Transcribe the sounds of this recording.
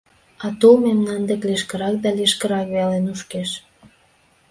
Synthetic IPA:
ɑt̪olmemnɑnd̪ekleʃkəɾɑk̚d̪ɑleʃkə̆ɾɑkβelenuʃkeʃ

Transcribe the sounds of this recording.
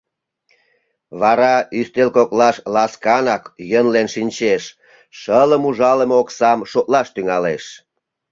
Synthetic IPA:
βɑɾɑyst̪elkoklɑʃlɑskɑnɑkjənlenʃinʲt͡ɕeʃ | ʃələmuʒɑlemoksɑmʃok̪lɑʃt̪yŋɑleʃ

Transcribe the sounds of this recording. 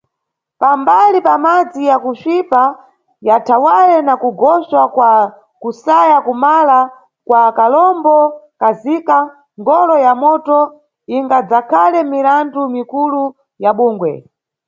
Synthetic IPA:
pambalipamad͡zijakuʃipa | jatʰawaɾɛnakuɡɔswakwa | kusajakumala | kwakalɔmbɔkazika | ŋɡɔlɔjamɔtɔ | iŋɡad͡zakʰalɛmiɾandumikulu | jaɓuːŋɡwɛ̰

